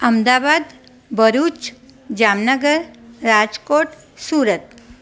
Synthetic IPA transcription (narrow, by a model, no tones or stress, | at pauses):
əmd̪abad̪ | bʱəɾut͡ʃ | d͡ʒamnəɡəɾːad͡ʒkoʈ | suːɾət̪̚